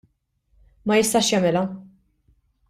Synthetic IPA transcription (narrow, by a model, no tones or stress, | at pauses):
mɐjɪst̪ɐʃjɐmɪlɐ